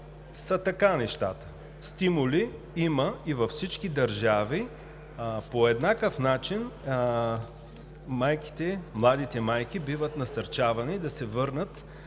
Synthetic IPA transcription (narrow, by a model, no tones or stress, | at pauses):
sɐt̪ɐkanɛʃt̪a̰t̪ə̥ | st̪imuli | iməivɐfsit͡ʃkid̪ɐɾʒavi | poɛd̪nakəfnat͡ʃin | majki̥t̪ɛmlˠad̪it̪ɛmajk̟ibivət̪nɐsɐɾt͡ʃavɐnid̪ɐsɛvɤɾnət̪